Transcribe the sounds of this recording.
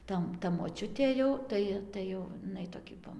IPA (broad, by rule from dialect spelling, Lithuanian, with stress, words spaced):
ˈtɐ tɐ moːˈt͡ʃʲʊtʲeː jɛʊ ˈtɐɪ tɐɪ jɛʊ ɪˈnɐɪ toːˈkʲɪ ʋɐ